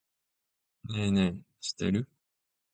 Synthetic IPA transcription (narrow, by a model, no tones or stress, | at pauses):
neːneː | ɕi̥t̪ḛɾɯ